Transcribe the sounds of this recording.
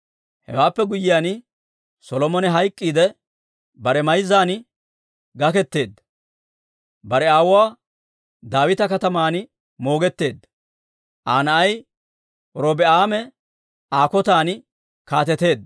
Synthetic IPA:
hɛ̰waːpːɛɡʊjɪjaːn | sɔlɔmɔnɛɦɐjkʼːiːd̪ɛ | bɐɾɛmɐjzːaːn | ɡɐkɛt̪ːe̞ːd̪ːɐ | bɐɾɛaːwʊwaː | d̪aːwɪt̪ɐkɐt̪ɐmaːn | mo̞ːɡɛt̪ːe̞ːd̪ːɐ | ʔaːnɐʔɐj | ɔɾoːbɛaːmɛ | aːkɔt̪aːn | kaːt̪ɛt̪e̞ːd̪ːɐ

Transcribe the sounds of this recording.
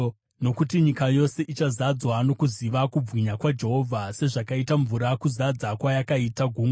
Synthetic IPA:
no̞kutiɲikajo̞se̞ʔit͡ʃazad͡zwano̞kuziʋakub͡vwiɲakwad͡ʒe̞ɦo̞vʱase̞ʐakaitaɱvuɾakuzad͡zakwajakaitaɡʱuːŋ

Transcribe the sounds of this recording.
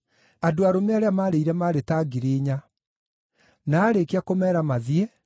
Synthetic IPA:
adoaɾomeaɾeamaːɾeiɾɛmaɾetaɡiɾeːɲa | naːɾekeakomɛːɾamaðiɛ

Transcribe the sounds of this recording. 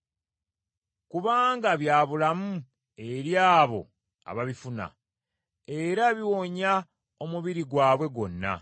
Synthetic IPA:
kuβaːŋɡaβjaːβulamu | e̞ɾjaːβo̞̰ | a̰βaβifuna̰ | e̞ɾaβiwoɲa | o̞muβiɾiɡwaːβwe̞ɡo̞nːa̰

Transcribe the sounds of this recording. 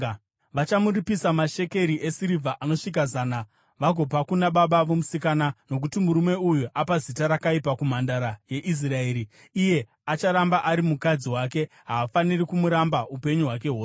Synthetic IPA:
ʋat͡ʃamuripisamaʃe̞ke̞ɾiʔe̞siɾivʱaʔano̞ʂik̬azaːna | ʋaɡʱo̞pakunaɓaɓaʋomusikanano̞k̬utimuɾume̞ujuʔapazitaɾakaipakum̤andaɾaje̞ʔis̬rae̞ːɾi | ije̞ | at͡ʃaɾambaʔaɾimukad͡ziɦwak̬e̞ | ɦaːfanirikumuɾambaupe̞ɲuɦwak̬e̞ɦoːs

